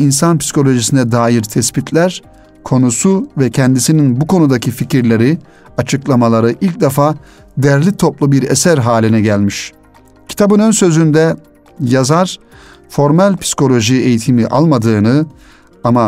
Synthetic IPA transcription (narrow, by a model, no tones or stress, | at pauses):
insanpʰi̥si̥kʰo̞lʲo̞ʒisinɛd̪aːjiɾt̪ʰɛspit̪ʰlʲæɾ | kʰo̞nusuvɛcʰɛnd̪isininbukʰo̞nud̪acʰificʰiɾlʲe̞ɾi | at͡ʃʰɯklˠamalˠaɾɯʔilʲc̚d̪efaː | d̪ɛɾlʲit̪ʰo̞plˠubiɾḛsæɾɦaːlʲinɛɟælʲmiʃ | cʰi̥t̪ʰabɯnønsø̞zynd̪ɛ | jazaɾ | fo̞ɾmɛlʲpʰi̥si̥kʰo̞lʲo̞ʒie̞jit̪ʰimiʔa̰lˠmad̪ɯːnɯ | ama